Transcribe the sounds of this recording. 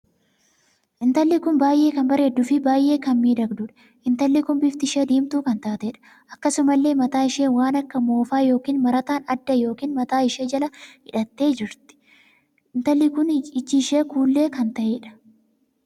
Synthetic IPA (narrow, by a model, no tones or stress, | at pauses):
ʔɪnt̪ɐlːɪkʊnbaːjʔe̞ːkɐnbɐɾe̞ːd̪ːʊfɪbaːjʔe̞ːkɐnmiːd̪ɐɡd̪ʊᶑɐ̥ | ʔɪnt̪ɐlːɪkʊnbɪft̪ɪʃeːd̪iːmt̪uːkɐnt̪aːt̪eᶑɐ̥ | ʔɐkːɐsʊmɐlːe̞ːmɐt̪aːɪʃeːwaːnɐkːɐmo̞ːfaːjo̞ːkiːnmɐɾɐt̪aːnɐd̪ːɐjo̞ːkiːnmɐt̪aːɪʃeːd͡ʒɐlɐhɪᶑɐt̪ːe̞ːd͡ʒɪɾt̪ɪ̥ | ɪnt̪ɐlːɪkʊnɪt͡ʃːɪʃeːkuːlːe̞ːkɐnt̪ɐʔeːᶑɐ̥